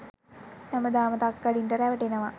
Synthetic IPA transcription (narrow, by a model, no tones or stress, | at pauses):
naməd̪aːmət̪ak̚ɡaɖinʈəɾæʋəʈenəʋa